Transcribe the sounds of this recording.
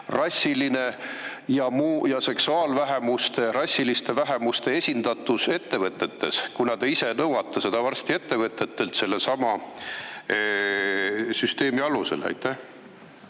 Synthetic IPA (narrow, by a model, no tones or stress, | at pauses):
rɑsʲːiline̞ | jɑmuːjɑse̞ksuɑːlvæɦe̞must̪e̞rɑsʲilist̪e̞væɦe̞must̪e̞e̞sʲind̪̥ɑt̪ːˑuse̞t̪ːe̞vɤt̪ːˑe̞t̪ːe̞skunɑd̪̥eise̞nɤwɑt̪ːˑɑse̞d̪ɑvɑrst̪ie̞t̪ːe̞vɤt̪ːˑe̞t̪ːe̞lt̪se̞lːesɑmɑ | syst̪e̞ːmiɑluse̞̰læ̰jt̪ːˑæh